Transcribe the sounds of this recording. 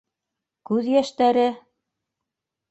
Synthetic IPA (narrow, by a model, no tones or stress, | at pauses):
kʉðjæʃt̪æɾɘ